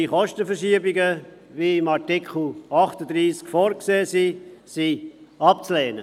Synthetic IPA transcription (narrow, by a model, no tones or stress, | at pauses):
iχɔʃtəfəɾʃiəbɪɡə | viɪmɑʁtikχl̩ɑχtədɾiːskfɔːɾkseːsisiɑp̚t͡sleːnə